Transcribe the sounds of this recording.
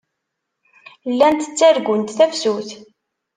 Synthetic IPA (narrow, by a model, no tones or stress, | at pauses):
lːænt̪ə̥t͡sːæɾɡʷʊnt̪θæfsuθ